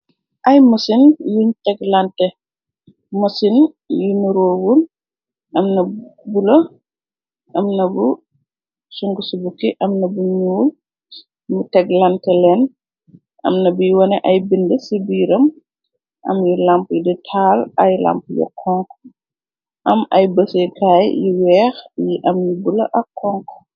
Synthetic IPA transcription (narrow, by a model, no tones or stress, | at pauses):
ʔɐjmɐsinjuntɛɡlantɛ | mɐsin | junuɾoːwul | ʔɐmnɐbulɐ | ʔɐmnɐbu | suŋɡusubukiʔɐmnɐbuɲuːl | mutɛɡlɐntɛlɛn | ɐ̰mnɐbujwɔnɛʔɐjbindəsibiɾɐm | ʔɐ̰mjilampjiditʰaːlɐjla̰mpjɔ̰kʰːɔŋk | ʔɐmɐ̰jbɐsɛjkaːjjiwɛːxjiʔɐmjibulɐ̰ʔɐkʰːɔŋk